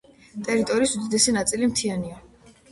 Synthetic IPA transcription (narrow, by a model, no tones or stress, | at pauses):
t̪ʼɛɾit̪ʼɔɾiːsud̪id̪ɛsinat̪sʼilimt̪ʰiania